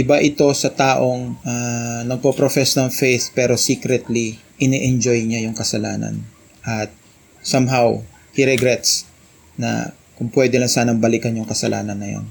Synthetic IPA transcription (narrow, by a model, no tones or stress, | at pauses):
ʔɪbaʔɪt̪o̞sɐt̪aːʔo̞ŋʔanɐɡ̚popɾofɛsnɐŋfejθpɛːɾo̞siːkɾɛt̪li | ʔɪnɛʔɛnd͡ʒo̞jɲajʊŋkɐsɐlaːnɐ̰n | ʔɐt̪̚ | samɦaw | hiɾɛɡɾɛt̪s | nɐ̰ | kʊŋpwɛd̪ɛlɐŋsaːnɐmbɐlɪkɐnjʊŋkɐsɐlʔa̰ːnɐnːɐja̰n